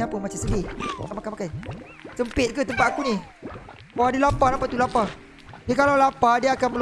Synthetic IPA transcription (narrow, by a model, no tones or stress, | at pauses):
apəmat͡ʃamsədɪakamakamakaj | səmpɪt̪̚kət̪əmpat̪̚akunĩ | bawadilapalapat̪ulapa | dikalawlapadiaakanməl